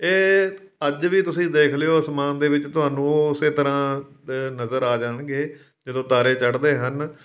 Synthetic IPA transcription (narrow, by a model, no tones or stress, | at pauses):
eː | əd͡ʒʋiːt̪ʊsĩːd̪eːkʰlɪjoːsmaːnd̪eːʋɪt͡ʃt̪ʊɦaːnũːɪseːt̪əɾãː | nəzəɾaːd͡ʒaːɳɡeː | d͡ʒəd̪õːt̪aːɾeːt͡ʃəɽd̪eːɦən